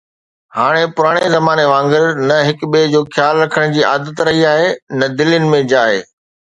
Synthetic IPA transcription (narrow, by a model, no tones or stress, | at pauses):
haːɽ̃epʊɾaːɽ̃ezɐmaːneʋãːŋɡəɾnɐɦɪkbed͡ʑoːxʰjaːlɾɐkʰəɽ̃d͡ʑiːa̰ːd̪ət̪ɾɐɦiaːɦenɐd̪ɪljʊnɪ̆mẽd͡ʑaːɦḛː